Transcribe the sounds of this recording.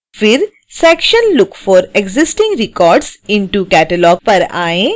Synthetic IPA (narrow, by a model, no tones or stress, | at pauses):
fɪɾ | sɛːkʃənlʊkfɔːɾeɡzɪsʈɪ̃ŋɡɾɪkɔːɾɖsɪ̃ɳʈukɛːʈəlɔːɡ̚pɐɾa̰ːẽː